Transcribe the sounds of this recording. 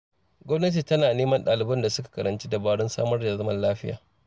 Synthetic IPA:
ɡʷɔ˦mnɐ˦t̬i˨tɐ˦naː˨neː˦mɐ˦nɗaː˨lɪ˨bɐ˦nda˨sʊ˦kḁ˨kɐ˨ɾʔɐ˨nt͡ʃi˦da˨baː˦ɽʊ˦nsa̰ː˦mɐ˦rda˨zɐ˦mɐ˨nlaː˦ɸɪ˦ja̰ː˨

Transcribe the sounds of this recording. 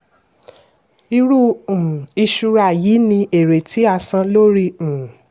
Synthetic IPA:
i˧ɾũ˦˨ | i˧ʃu˧ɾa˦˨jiː˨˦nĩ˧e˨ɾe˨tʰi˨˦a˦˧˨sã˧lo˦ɾĩ˦˨

